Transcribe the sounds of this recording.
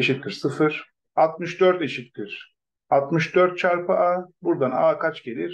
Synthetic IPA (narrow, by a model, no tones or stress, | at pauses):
eʃit̪̚d̪iɾsɯfɯɾ̥ | alˠt̪̚mɯʃd̪øɾt̪eʃit̪liɾ̥ | at̪mɯʃd̪øɾt̪̚t͡ʃʰaɾpɯʔaːbuɾd̪anaːkʰat͡ʃɟe̞lʲiɾ